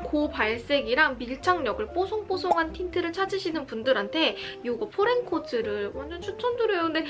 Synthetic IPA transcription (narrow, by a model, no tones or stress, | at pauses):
kopaɭs͈e̞ɡiɾaŋmiɭt͡ɕʰaŋɲʌɡɯɭp͈osʰoŋp͈osʰoŋɦantʰintʰɯɾɯɭt͡ɕʰad͡ʑiɕʰinɯnpundɯɾɦantʰe̞joɡʌpʰoɾenkʰotʰɯɾɯɭwʌnd͡ʑʌnt͡ɕʰut͡ɕʰʌnduɾojokʰɯnde̞